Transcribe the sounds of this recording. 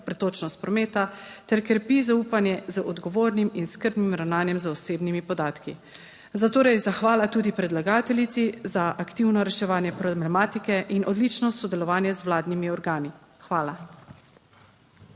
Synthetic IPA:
pɾɛt̪oːt͡ʃnɔst̪̚pɾɔmeːt̪at̪ɛɾkəɾpizauːpanjɛzəʔɔd̪ɡɔʋoːɾniminskəɾd̪nimɾawnaːnjɛmzəɔseːbnimipɔd̪aːt̪ki | zat̪oːɾɛjzaxʋaːlat̪uːd̪ipɾɛd̪laɡaːt̪ɛlit̪sizaʔakt̪iwnɔɾɛʃɛʋaːnjɛpɾɔblɛmaːt̪ikɛʔinʔɔd̪lit͡ʃnɔsɔd̪ɛlɔʋaːnjɛzwlaːd̪nimiɔɾɡaːni | xʋaːla

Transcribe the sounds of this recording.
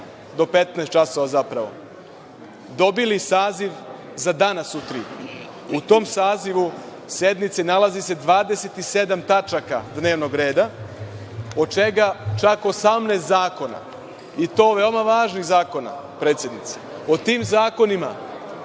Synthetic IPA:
d̪o̞pe̞t̪nɛst̪t͡ʃaso̞ʋazapɾaʋo̞̰ | d̪o̞bilisaːziʋ | zad̪anasut̪ɾi | ut̪o̞ːmsaːziʋu | se̞d̪nit̪senalazise̞d̪ʋaːd̪ese̞t̪ise̞d̪amt̪at͡ʃaka̰d̪ne̞ːʋno̞ɡɾe̞ːd̪a | ot͡ʃe̞ɡat͡ʃakosamneːst̪zaːko̞na̰ | it̪o̞ːʋe̞omaʋaːʒniɣzaːko̞na̰ | pɾet̪sjed̪nit̪se̥ | ot̪iːmzaːko̞nima̰

